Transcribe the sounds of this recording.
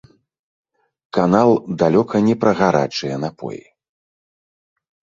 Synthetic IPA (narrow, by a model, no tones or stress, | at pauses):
kanalˠd̪alʲɔkʰɐnʲɛpɾɐɣaɾa̰t͡ʂɨjɛnapʰɔ̰jḭ